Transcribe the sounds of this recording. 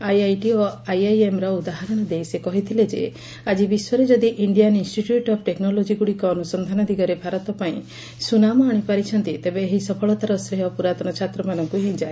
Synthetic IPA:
ajajʈiɔajajemɾɔud̪aɦaɾɔñɔd̪ejsekɔɦit̪ʰiled͡ʒḛ | ad͡ʒibiswɔɾed͡ʒɔd̪iʔiɳɖijaninsʈiʈjuʈɔp̚ʰʈeknɔlod͡ʒiɡuɽikɔːnusɔnd̪ʱanɔd̪ʱiɡɔɾebʱaɾɔt̪ɔpaĩ | sunamɔaɽ̃ipaɾit͡ʃʰɔnt̪it̪ebeːɦisɔpʰɔɭɔt̪aɾɔsɾeɦɔpuɾat̪ɔñɔt͡ʃʰat̪ɾɔmanɔŋkuɦĩd͡ʒae

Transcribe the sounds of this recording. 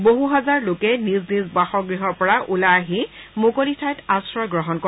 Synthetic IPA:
boɦuɦazaɹlokɛniznisbaxɔɡɹiɦɔɹpɔɹaʔulaːɦimʊkolitʰajtasɹɔjɡɹɔɦɔnkɔ

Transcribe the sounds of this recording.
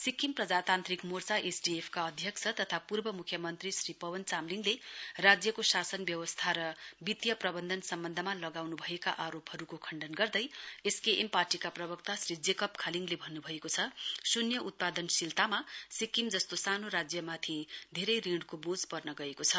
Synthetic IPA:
sikimprʌd͡zat̪ant̪rikmort͡saʔesɖiepʰkaʌd̪ʱjʌkt͡sʰʌt̪ʌt̪ʰapurbʌmukʰjʌmʌnt̪risripʌwʌnt͡samliŋɡlerad͡zjʌkosasʌnbjʌwʌst̪ʰaɾʌbit̪jʌprʌbʌnd̪ʱʌnsʌmbʌnd̪ʱʌmalʌɡawnubʱʌeka̰ʔaɾopɦʌɾukokʰʌɳɖʌnɡʌrd̪ʌjeskeʔemparʈikaprʌbʌk̚t̪asrid͡zekʌpkʰaliŋɡlebʱʌnːubʱʌekot͡sʰʌsunjʌʔut̪̚pad̪ʌnsilt̪amasikimd͡zʌst̪osanoɾad͡zjʌmat̪ʰid̪ʱeɾʌjriɖkobod͡zpʌrnʌɡʌekot͡sʰʌ

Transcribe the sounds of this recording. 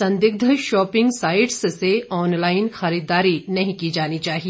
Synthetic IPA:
sɐ̃nd̪ɪɡ̚d̪ʱəʃɔːpɪ̃ŋɡsaːɪʈsseɔːnlaːɪnxɐɾiːd̪aːɾinɐɦĩkid͡ʒaːnit͡ʃaːɦi

